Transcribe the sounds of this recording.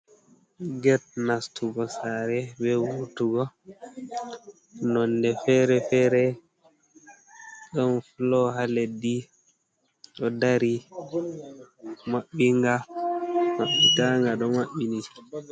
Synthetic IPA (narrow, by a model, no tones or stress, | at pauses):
ɡɛt̚nastuɡɔsaɾɛbɛwutuɡɔ | nɔndɛfɛɾɛfɛːɾɛ | ɗɔnflɔɦaledi | ɗɔdaɾi | maɓːiŋɡa | maɓːitaŋɡaɗɔmaɓːini